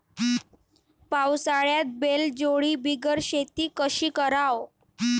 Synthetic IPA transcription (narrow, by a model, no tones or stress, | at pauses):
pawsaɭjat̪̚beld͡ʑoɭiːbiɡəɾɕet̪iːkəɕiːkəɾaw